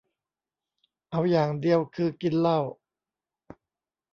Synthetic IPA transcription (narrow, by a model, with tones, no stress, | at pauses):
ʔa˧wjaː˨˩ŋdi˧əwkʰɯː˧ki˧nla˥˩w